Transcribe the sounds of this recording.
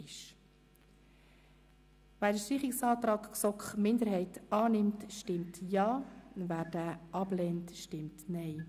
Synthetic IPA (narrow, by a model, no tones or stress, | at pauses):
ɪʃ | væːɾdəʃtiːχɪksɑːtɾɑːkksɔkχmɪndəɾhɛɪtɑːnɪmtʃtɪmtjɑːvæːɾd̥æːʔɑblɛːntʃtɪmtnɛɪ